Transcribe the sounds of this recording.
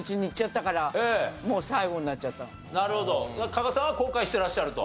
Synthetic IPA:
t͡ɕiɲiːt͡ɕ͈at̪ːakaɾaemosaiɡoɲinat͡ɕ͈at̪ːa | naɾɯ̟ho̞d̪od̪akaɡasaβakoːkaiɕi̥t̪e̞ɾaɕːaɾɯ̟t̪o̰

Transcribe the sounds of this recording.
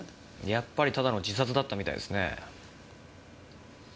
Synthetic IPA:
japːaɾʲit̪ad̪ano̞d͡ʑisat͡sɨd̪at̪ːamʲit̪a̰ḭd̪esɨne̞̰

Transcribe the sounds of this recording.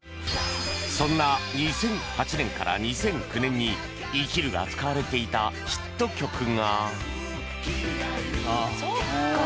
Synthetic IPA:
sõ̞nːaɲisẽ̞ŋhat͡ɕinẽ̞ŋkaɾa̰ɲ̟isẽ̞ŋkʲɯ̟nẽ̞ɲ̟ːi | iːkʲiɾɯ̟ɡa̰t͡sɨ̥kaβaɾe̞t̪e̞it̪aɕi̥t̪ːo̞kʲo̞kɯ̟ŋa

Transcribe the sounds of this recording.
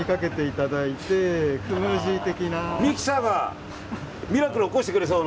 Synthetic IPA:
ikake̞t̪e̞it̪ad̪ait̪e̞kɯmɯʑit̪e̞kʲinamʲikʲi̥saɡa | mʲiɾakɯ̟ɾooko̞ɕi̥t̪ekɯɾe̞s̬oːn

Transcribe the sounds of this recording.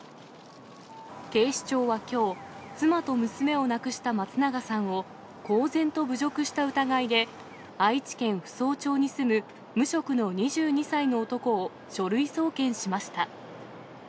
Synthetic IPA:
k̪e̞ːɕi̥t͡ɕo̞ːβakʲo̞ːt͡sɨmat̪o̞mɯ̟sɨme̞o̞nakɯ̟ɕi̥t̪amat͡sɨnaɡasãɰ̃o̞ | ko̞ːzẽ̞nt̪o̞bɯ̟ʑo̞kɯ̟ɕi̥t̪aɯ̟t̪aɡaid̪e̞ | ait͡ɕi̥kẽ̞ɰ̃ɸɯ̟̥so̞ːt͡ɕo̞ːɲ̟isɨmɯ̟ | mɯ̟ɕo̞kɯ̟no̞ɲ̟iʑɨːɲ̟isaino̞ːt̪o̞ko̞ː | ɕo̞ɾɯ̟iso̞ːkẽ̞ɰ̃ɕimaɕi̥t̪a

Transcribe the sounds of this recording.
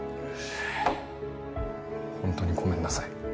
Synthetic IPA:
hõnt̪o̞ːɲ̟iɡo̞mẽ̞nːasai

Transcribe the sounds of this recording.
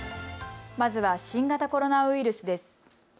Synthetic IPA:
mazɨβaɕĩŋɡat̪ako̞ɾo̞naɯiɾɯ̟sɨd̪e̞sɨ̥

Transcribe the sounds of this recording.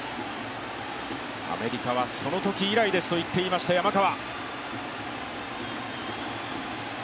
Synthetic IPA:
a̰me̞ɾʲikaβ̞aso̞no̞t̪o̞kʲiːɾaid̪e̞sɨ̥t̪o̞it̪ːe̞iːmaɕi̥t̪ajamakaβa

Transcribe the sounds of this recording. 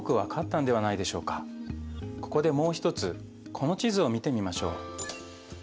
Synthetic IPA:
okɯ̟βakʰat̪ːãnd̪e̞βanaid̪e̞ɕo̞̰ːkḁ | ko̞ko̞d̪e̞mo̞ːçi̥t̪o̞t͡sɨ | kʰo̞no̞t͡ɕizɨo̞mʲit̪e̞mʲimaɕo̞ː

